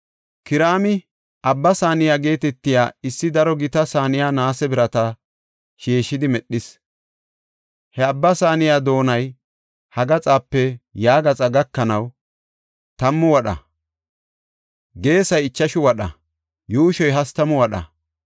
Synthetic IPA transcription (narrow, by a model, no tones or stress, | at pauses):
kɪɾaːmɪ | ʔɐbːɐsaːnɪjaːɡe̞ːt̪ɛt̪ːɪjaːɪsːɪd̪ɐɾɔɡɪt̪ɐsaːnɪjaːnaːsɛbɪɾɐt̪ɐ | ʃeːʃːɪd̪ɪmɛɗːɪs | hɛɐbːɐsaːnɪjaːd̪o̞ːnɐj | hɐɡɐt͡sʼaːpːɛjaːɡɐt͡sʼɐɡɐkːɐnɐw | t̪ɐmːʊwɐɗɐ̰ | ɡe̞ːsɐjɪt͡ʃːɐʃʊwɐɗɐ̰ | juːʃɔjɦɐst̪ɐmʊwɐɗɐ̰